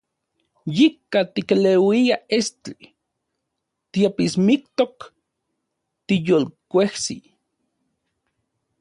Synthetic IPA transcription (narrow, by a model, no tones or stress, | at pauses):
jikːat̪ikelewiaest͡ɬi | t̪iapismik̚t̪ok | t̪ijoːlkʷehsḭ